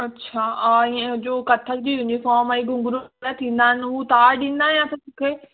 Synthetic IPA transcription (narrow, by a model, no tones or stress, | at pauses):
ɐtːɕʰaaːiẽʊ̃d͡ʑoːkɐt̪ʰək̚d͡ʑiːʊ̃ɪ̃ɲd͡ʑifɔːɾmãiɡʊ̃ŋɡɾuɾat̪ʰĩːnd̪aːɦɪnɪ̆ɦut̪aːɾɗĩːn̆d̪aːɦjãt̪ɐsʊkʰeː